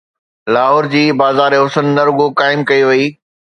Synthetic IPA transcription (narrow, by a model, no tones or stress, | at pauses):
laːɦɔːɾd͡ʑiːbaːzaːɾeɦʊsənːɐɾʊɡokaːɪmkɐiʋɐiː